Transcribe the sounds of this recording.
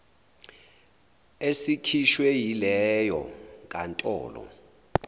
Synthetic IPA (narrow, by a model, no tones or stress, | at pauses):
esikʰiʃwɛjilɛjɔkʼantʼɔ̰ːlɔ̰